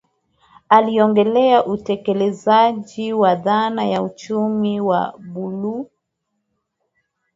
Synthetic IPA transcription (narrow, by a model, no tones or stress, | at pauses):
aliɔŋɡɛlɛaʔutɛkɛlɛzaʄiwaðanajaut͡ʃumiwa̰ɓulu